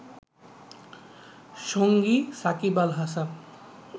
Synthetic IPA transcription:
ʃoŋɡisakibalɦasa

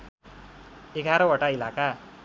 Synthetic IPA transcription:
eɡʱaɾʌwʌʈailaka

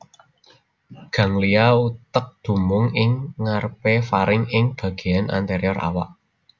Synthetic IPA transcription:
ɡ̥ä̤ŋliaut̪ək̚d̪̥ṳmʊŋɪŋːarpefaɾɪŋɪŋb̥ä̤ɡ̥e̤janʔa̰nt̪eɾiɔrʔa̰wa̰ʔ

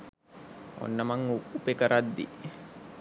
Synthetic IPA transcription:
o̰nːamaŋupekəɾʔad̪ːi

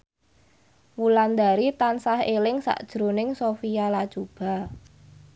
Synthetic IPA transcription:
wuland̪a̤ɾit̪ansahelɪŋsa̰ʔd̥ʒ̥ɾonɪŋsofijalad̥ʒ̥ub̥a̤

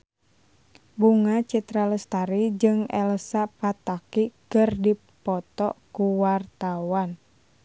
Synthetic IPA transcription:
buŋat͡ʃit̪ɾaləst̪aɾid͡ʒɨŋɛ̰lsapat̪akikɨrdi | pɔt̪ɔ̰kuwart̪awan

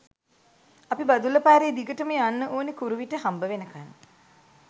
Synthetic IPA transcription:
apibad̪uləpaːɾeːd̪iɡəʈəməanːəʔoːnikuɾuʋiʈəɦambəʋenəkanː

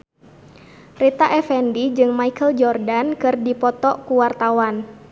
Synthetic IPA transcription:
rit̪aʔɛfɛndid͡ʒɨŋmaikəld͡ʒɔrdankɨrdipɔt̪ɔkuwart̪awan

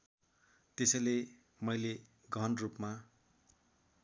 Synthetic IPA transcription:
t̪esʌjle | mʌjle | ɡʱʌnrupma

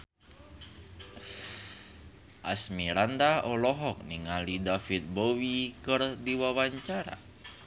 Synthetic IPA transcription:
ʔa̰smiɾandaɔlɔɦɔk̚niŋalidafit̪̚bowikɨrdiwawaɲt͡ʃaɾa̰

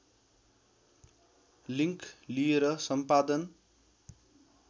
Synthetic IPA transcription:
liŋklijeɾʌsʌmpad̪ʌn

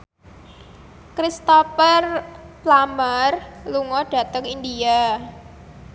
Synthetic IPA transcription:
kɾist̪ɔfərplamərluŋɔɖ̥ä̤t̪əŋind̪ia

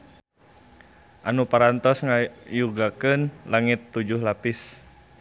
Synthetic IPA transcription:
ʔanupaɾant̪ɔsŋajuɡakɨnlaŋɪt̪ːud͡ʒʊhlapɪs

